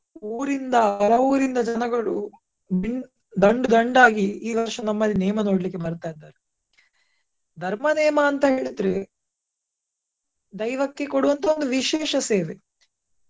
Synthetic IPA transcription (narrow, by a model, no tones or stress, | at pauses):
uːɾind̪ɐɐɾɐuːɾind̪ɐd͡ʒɐnɐɡɐɭu | biɳ | d̪ɐɳɖud̪ɐɳɖaːɡiiːʋɐɾʃɐnɐmːɐlːinɛːmɐno̞ːɽlikːebɐɾt̪aːid̪ːaːɾe | d̪ʱɐɾmɐnɛːmɐːnt̪ɐɦe̞ːɭud̪ɾe | d̪ɐjʋɐkːe̞koɽuʋɐnt̪ɐond̪uʋiʃeːʃɐseːʋe